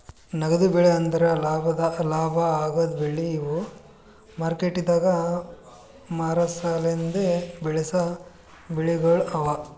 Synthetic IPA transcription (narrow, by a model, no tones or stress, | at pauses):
nɐɡɐd̪ubeɭeɐnd̪ɐɾɐlaːbɐd̪ɐlaːbʱɐaːɡɐd̪beɭːiːʋu | maːɾkeʈːid̪aːɡɐ | maːɾɐsalend̪ebɛɭesɐ | beɭiɡɐɭɐʋɐ